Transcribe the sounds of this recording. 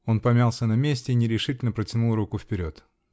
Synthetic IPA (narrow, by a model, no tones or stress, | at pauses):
o̞npɐmʲalˠsʲənɐmʲesʲtʲɪinʲɪɾʲɪʂɨtʲɪlʲnəpɾətʲɪnulˠɾukʊfpʲɪɾʲo̞t̪